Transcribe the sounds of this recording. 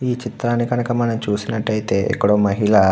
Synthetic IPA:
iːt͡ʃit̪ɾaːnikɐnɐkɐmɐnɐmt͡ʃuːsinɐʈːɐjit̪e̞ːʔḛkːuɽoːmɐɦiɭɐ

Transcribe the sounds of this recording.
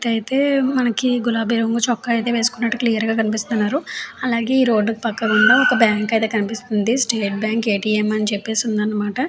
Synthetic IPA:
ʈ̪ɐjit̪e̞ːmɐnɐkiɡulaːbʱiːɾɐŋɡut͡ʃɔkːɐjt̪e̞ːʋe̞ːsu̥kunːɐʈːuklijɐɾɡaːkɐnip̬ist̪und̪ɐnːaːɾuɐlaːɡe̞ːiːɾo̞ːɖːukipɐkːɐuɳɖoːɔkɐbjaːŋkɐjt̪e̞ːkɐnipist̪und̪isʈeːʈ̚bjaːŋke̞ːʈiːemɐnit͡ʃepːe̞ːsund̪ɐnːɐmaːʈɐ

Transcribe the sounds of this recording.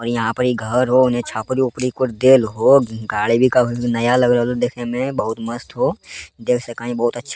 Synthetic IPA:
ɔːɾjɐɦãpəɾiɡʱɐɾɦoʊnɦẽt͡ʃʰaːpəɾiʊpɾikʊɾd̪eːlɦoɡaːɭibʱikabnɐjalɐɡɾlod̪eːkʰẽmẽbɐɦʊt̪mɐst̪ɦod̪eːkʰsɐkaːĩbɐɦʊt̪ɐtːʃʰ

